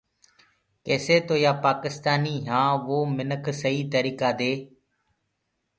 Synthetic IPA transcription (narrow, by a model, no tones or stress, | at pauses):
keːseːt̪oːjaːpaːkɪst̪aːniːɦãːʋoːmɪnəkʰsəɦiːt̪əɾiːkaːd̪eː